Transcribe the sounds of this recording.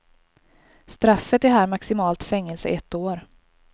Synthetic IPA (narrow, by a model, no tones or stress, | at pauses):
st̪ɾafːət̪æɦæːɾmaksɪmɑːlt̪fɛŋːɛlsə̰ʔɛt̪ːoːɾ